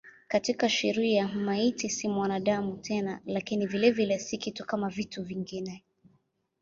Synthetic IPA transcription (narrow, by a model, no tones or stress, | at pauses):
katikaʃiɾiamaitisimwanaɗamutʰɛnalakinivilɛvilɛsikitukamavituviŋɡinɛ